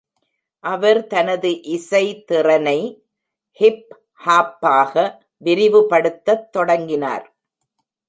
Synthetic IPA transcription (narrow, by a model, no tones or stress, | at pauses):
ʔɐʋɐɾt̪ɐnɐðɯʔɪsɐɪt̪ɪrɐnɐɪ | hɪp | haːpːaːɣɐ | ʋɪɾɪʋɯpɐɽɯt̪ːɐt̪ːɔɽɐŋɡɪna̰ːɾ